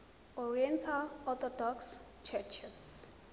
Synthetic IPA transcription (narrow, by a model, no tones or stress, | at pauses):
ɔɹiɛ̃ntʰalɔt̪ɔdɔks | t͡ʃʰɛt͡ʃʰɛs